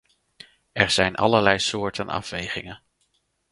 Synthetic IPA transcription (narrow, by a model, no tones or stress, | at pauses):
ɛɹz̥ɛjnʔɑ̰ləɹlɛjsʊːɹtənɑ̰fʋejχɪŋən